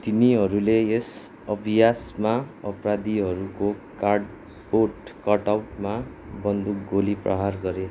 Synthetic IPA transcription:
t̪iniɦʌɾulees | ʌbʱijasmaʌprad̪iɦʌɾukokaɖ | poʈkʌʈawʈma | bʌnd̪uk̚ɡoliprʌ̰ɦarɡʌɾe

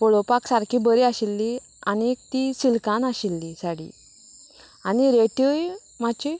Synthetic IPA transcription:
pɔɭopaksaɾkʰibəɾiaɕilːi | a̰nik̚t̪isilkãnaɕilːisaɽḭ | aniɾeʈəj | mat͡ɕi

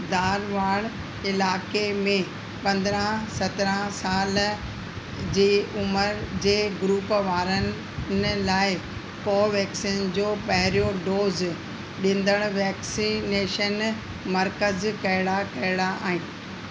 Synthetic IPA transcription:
d̪aːɾʋaːɽ̃ | ɪlaːkemẽ | pɐ̃nd̪ɾə̃sɐt̪ɾə̃saːl | d͡ʑeːʊməɾd͡ʑeːɡɾuːpʋaːɾən | nlaːɪ | kɔːʋɛːksiːnd͡ʑoːpɐɦɪɾijoɖoːz | ɗĩnd̪əɽ̃ʋɛːksineːʃən | mɐɾkəzkɐɪɽakɐɪɽaʔa̰ːɦĩː

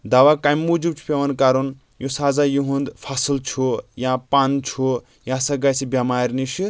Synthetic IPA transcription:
d̪ɐʋakajmːud͡ʒub̚t͡ʃʰu̥pʲeʋɐnkaɾun | jusazajuɦund̪pʰɐsɨlt͡ʃʰujãpant͡ʃʰu | jãsɐɡajsibʲamaːɾʲniʃi

